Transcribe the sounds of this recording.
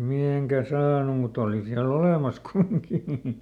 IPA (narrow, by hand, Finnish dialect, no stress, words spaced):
miheŋkæ sɑːnu mut oˑli siæl oleˑmɑs kumiŋki